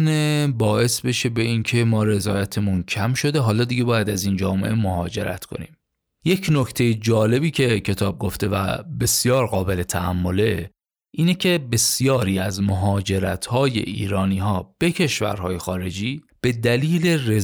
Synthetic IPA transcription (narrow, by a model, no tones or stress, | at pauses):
nebɒːe̞sbe̞ʃe̞be̞iːncʰe̞mɒːɾe̞zɒːjæt̪ʰemuncʰæmʃo̞d̪e̞ɦɒːlɒːd̪iɟe̞bɒːjæd̪æziːnd͡ʒɒːme̞̰ʔemohɒːd͡ʒe̞̰ɾæ̰t̪kʰo̞̰nḭːm | je̞cʰnoct̪ʰe̞jed͡ʒɒːle̞biːcʰe̞cʰe̞t̪ʰɒːb̚ɡo̞ft̪ʰe̞væ̰be̞sjɒːɾɣɒːbe̞le̞t̪ʰæːmːo̞le̞ | ʔiːnecʰe̞be̞sjɒːɾiːæzmoɦɒːd͡ʒe̞ɾæt̪ʰhɒːjḛʔḭːɾɒːniːɦɒːb̥e̞cʰe̞ʃvæ̰ɾɦɒːjexɒːɾe̞d͡ʒiː | b̥e̞d̪æliːle̞re